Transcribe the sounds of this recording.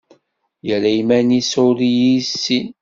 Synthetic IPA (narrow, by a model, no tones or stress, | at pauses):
jəɾæimænisʊɾijisːin